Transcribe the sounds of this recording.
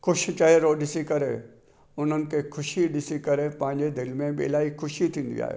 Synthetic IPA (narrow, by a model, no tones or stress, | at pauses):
kʊʃt͡ɕɐɦeɾoːɗɪsikɐɾḛ | ʊn̤ənɪ̆kʰexʰʊʃiɗɪsikɐɾepɐ̃ɦɪ̃ɲd͡ʑed̪ɪlmẽbɪ̰ɪ̰laːikʰʊʃit̪ʰĩːnd̪ḭa̰ːɦḛː